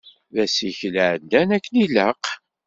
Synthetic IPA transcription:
ðæsiçlʕədːænækːəniləq

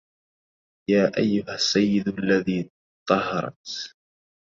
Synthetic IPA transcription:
jaːʔajːʊhasːajːɪd̪alːaðiː | t̪ˤːɑhɑɾˤɑ̰t̪

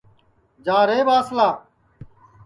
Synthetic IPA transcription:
d͡ʒaːɾeːbaːslaː

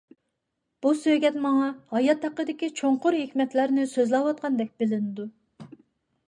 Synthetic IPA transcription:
b̥usøjɡʲɛt̪mɑŋɑhɑjɑt̪ʰːɑqːəd̪ɪkʲit͡ʃʰoɴqʊɾɦekʲmɛt̪læɾnɪsøzlˠɑwɑt̪̚qʰɑnd̪ɛk̚ʲb̥ɪlɪnɪd̪u

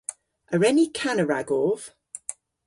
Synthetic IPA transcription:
əɹɛnikʰanəɹaɡɔːv̥

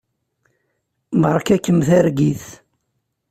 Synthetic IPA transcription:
məɾˤkækːəmθæɾɡiθ

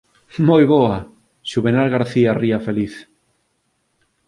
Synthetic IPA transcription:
mojβoa | ʃuβenaɾɣaɾθiariafeliθ

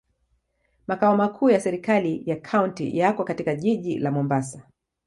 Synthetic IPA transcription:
makaɔmakʰuːjasɛɾikalijakʰauntḭjakwɔkatikaʄiʄilamɔmbasa

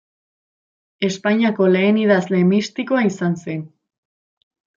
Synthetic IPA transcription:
e̞spaɲiako̞le̞ːnið̞azle̞mist̪ikoaisanse̞n

